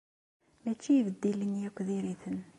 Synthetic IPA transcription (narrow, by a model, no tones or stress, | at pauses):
mæt͡ʃːijvəd̪ːilənjækʷːðiɾiθən